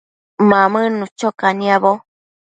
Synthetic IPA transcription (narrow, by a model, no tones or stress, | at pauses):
mãmɨ̃nũt͡ʃokanĩaβo